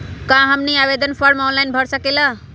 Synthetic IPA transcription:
kãɦəmniabed̪ʱənpʰəɾmɔnlajnbʱəɾsəkelə

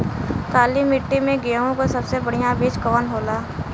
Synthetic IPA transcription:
k̪aːlimɪʈːimẽɡeːõkosɐbsebɐɽ̤ijãbiːt͡ʃkɔːnɦoːlaː

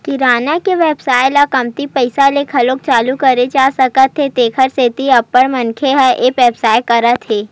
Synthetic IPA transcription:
kiɾaːnakeʋɛːbsaːjlakɐmt̪ipɐɪsalekʰɐlok̚t͡ʃaːlukɐɾed͡ʒaːsɐkət̪ʰːet̪eːkʰəɾseːt̪iɐpːəɾmɐnkʰeɦɛʔeːkʋɛːbsaːjkɐɾət̪ʰːeː

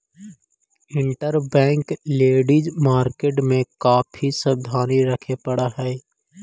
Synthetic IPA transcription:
ɪ̃ɳʈəɾbɛ̃ːŋkleːɖid͡ʒmaːɾkeːʈmẽkaːpʰisəb̚d̪ʱaːniɾɐkʰepɐɽaɦɛː

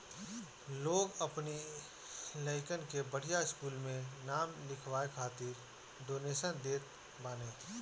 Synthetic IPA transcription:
loːɡəpni | ləɪkənkebəɽ̤ijaɪskuːlmẽnaːmlɪkʰʋwaːekʰaːt̪ɪɾ | d̪oːneːsənd̪eːt̪ | baːnẽː

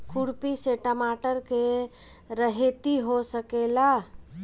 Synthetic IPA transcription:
kʰuɽpiseʈəmaʈəɾke | ɾəɦet̪iɦosəkela

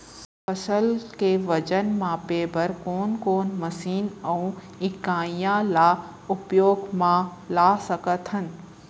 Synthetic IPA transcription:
fɐsəlkeʋɐd͡ʒənmãpeːbʱəɾkoːnkoːnmɐsiːnɐũ | ɪkãːjãla | ʊpjoːɡmãlaːsɐkət̪ʰhən̆

